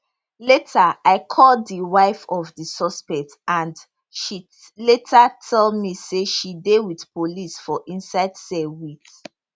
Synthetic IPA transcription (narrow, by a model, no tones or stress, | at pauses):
letʰaaɪkʰɔldðiwaɪfɔvðisɔspɛk̚tãnd | ʃi | letʰatʰɛlmiseʃidewiθpolisfɔʔĩnsaɪdsɛwit